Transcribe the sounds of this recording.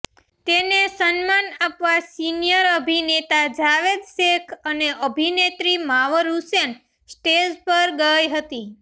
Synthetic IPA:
t̪enesənmanapʋasinijəɾəbʱinet̪ad͡ʒaʋed̪ʃekʰəneʔəbʱinet̪ɾimaʋəɾusen | sʈespəɾɡəjɦət̪i

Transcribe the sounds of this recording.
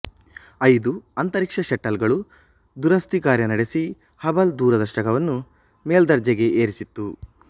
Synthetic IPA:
ɐjd̪uɐnt̪ɐɾikʂɐʃɛʈːɐlɡɐɭu | d̪uɾɐst̪ikaːɾjɐnɐɽesi | hɐbɐld̪uːɾɐd̪ɐʂʈɐkɐʋɐnːu | meːld̪ɐɾd͡ʒɐɡe̞ʔeːɾisit̪ːu

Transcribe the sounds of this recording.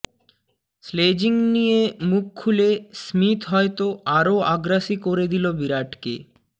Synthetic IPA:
sled͡ʑiŋnijemukʰːulesmit̪ɦɔet̪oaɾoaɡɾaʃikoɾed̪ilobiɾaʈkḛ

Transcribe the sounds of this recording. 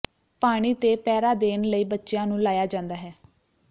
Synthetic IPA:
paːɽ̃iːt̪eːpɛːɾaːd̪eːnləiːbətːʃjãːnũːlaːjaːd͡ʒãːnd̪aːɦɛː

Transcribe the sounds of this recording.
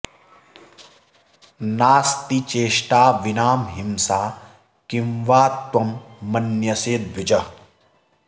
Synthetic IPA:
naːst̪it͡ʃeːʃʈaːʋinaːmɦimsaː | kimʋaːt̪wɐmːɐnjɐseːd̪̚bʱʋid͡ʒɐ

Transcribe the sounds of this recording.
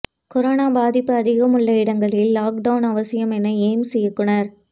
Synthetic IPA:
kɔɾoːnaːbaːðɪpːɯɐðɪɣɐmʊɭːɐɪɽɐŋɡɐɭɪlːaːk̚ɖɐʊnɐʋɐsɪjɐmɛnːɐeːmsɛjɯkːɯɳɐɾ

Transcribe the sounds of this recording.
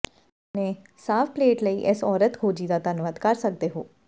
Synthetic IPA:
nɛ̃ː | saːfpleːʈləiːʔɪsɔːɾət̪ɡʰʱoːd͡ʒiːd̪aːt̪ənʋad̪kəɾsək̚d̪eːɦoː

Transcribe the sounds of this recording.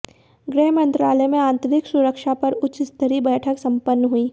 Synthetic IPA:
ɡɾɛɦmɐ̃nt̪ɾaːləmẽãːnt̪əɾɪksʊɾəkʃapɐɾʊt͡ʃst̪ʰəɾibɛːʈʰəksɐ̃mpənːɦuiː

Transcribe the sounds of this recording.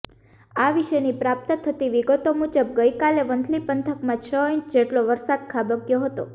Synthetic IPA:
aʋiʃenipɾap̚t̪ət̪ʰət̪iʋiɡət̪omud͡ʒəb̚ɡəjkaleʋənd̪ʰʱlipənt̪ʰəkmãt͡ʃʰəiɲt͡ʃd͡ʒeʈloʋəɾsad̪̚kʰabəɡjoɦət̪o

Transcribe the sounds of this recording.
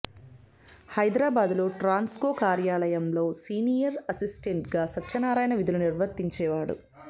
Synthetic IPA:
hɐjd̪ɾaːbaːd̪lo̞ːʈɾaːnskoːkaːɾjaːlɐjɐmlo̞ːsiːnijɐɾɐsisʈeɳʈɡaːsɐtːʃɐnaːɾaːjɐnɐʋid̪uluniɾʋɐt̪ːiɲt͡ʃɛːʋaːɽṵ

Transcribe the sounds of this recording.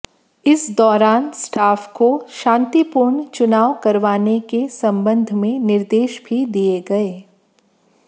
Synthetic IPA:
ɪsd̪ɔːɾaːnsʈaːfkoʃãːnt̪ipʊɾɳt͡ʃʊnaːʋkɐɾʋaːnekesɐ̃mbə̃nd̪ʱmẽnɪɾd̪eːʃbʱid̪ijeɡɐeː

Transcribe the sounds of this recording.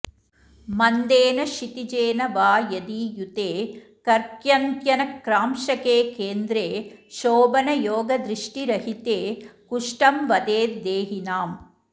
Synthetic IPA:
mɐnd̪eːnɐʃit̪id͡ʒeːnɐʋaːjɐd̪iːjut̪eː | kɐɾkjɐnt̪jɐnɐkɾaːmʃɐkeːkeːnd̪ɾeːʃoːbɐnɐjoːɡɐd̪ɾiʂʈiɾɐɦit̪eːkuʂʈɐmʋɐd̪eːd̪eːɦinaːm

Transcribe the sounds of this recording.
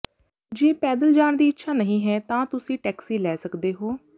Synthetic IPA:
d͡ʒeːpɛːd̪əld͡ʒaːɳd̪iːɪtːʃʰaːnəɦĩːɦɛːt̪ãːt̪ʊsĩːʈɛːksiːlɛːsəkd̪eːɦoː

